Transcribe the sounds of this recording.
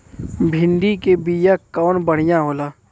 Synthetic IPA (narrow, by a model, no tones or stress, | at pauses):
bʱɪ̃nd̪ikebijakɔːnbəɽ̤ɪjãɦoːlaː